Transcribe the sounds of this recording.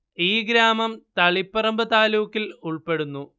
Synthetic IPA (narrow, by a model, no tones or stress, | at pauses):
iːɡɾaːmɐmt̪ɐɭipːɐrɐmbɐt̪aːluːkːiluɭpe̞ɽunːu